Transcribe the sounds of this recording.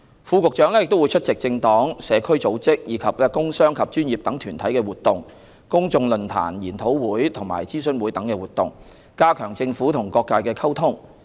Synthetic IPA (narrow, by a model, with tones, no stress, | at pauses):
fuː˧kʊ˨k̚t͡ʃœː˨˥ŋlɛː˥jɪ˨k̚t̪wjt͡ʃʰɵ˥t̚t͡sɪ˨k̚t͡sɪ˧ŋt̪ɔː˨˥ŋsɛː˨˧kʰɵ˥ɥt͡so˨˥wt͡sɪ˥k̚jiː˨˧˥kʰɐ˨p̚ːkʊ˥ŋsœː˥ŋkʰɐ˨p̚t͡ʃyː˥nji˨p̚t̪ɐ˨˥ŋt̪ʰyː˨˩nt̪ʰɐ˨˥jkɛː˧wuː˨t̪ʊ˨ŋ | kʊ˥ŋt͡sʊ˧ŋlɵ˨nt̪ʰa̰ː˨˩njiː˨˩nt̪ʰo˨˥wwuː˨˥jt̪ʰʊ˨˩ŋma̰ː˨˩jt͡siː˥sɵ˨˧nwu˨˥jt̪ɐ˨˥ŋkɛː˧wuː˨t̪̚ʊ̰˨ŋ | kaː˥kʰœː˨˩ŋt͡sɪ˧ŋfuː˨˥t̪ʰʊ˨˩ŋkɔː˧kːaː˧jkɛː˧kʰɐ˥wt̪ʰʊ˥ŋ